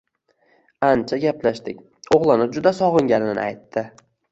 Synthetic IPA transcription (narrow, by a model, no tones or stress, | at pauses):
ant͡ʃʰaɡʲaplaʃt̪ɪk̚ʲ | oʁlˠɪnɪd͡ʒʊd̪asɒʁɨŋɡʲanɪnɪnɪ̰ajt̪ʰːɪ